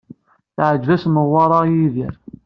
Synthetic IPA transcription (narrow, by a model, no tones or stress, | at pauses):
θʕəd͡ʒvæsməʁwːɑɾˤɑjiðiɾ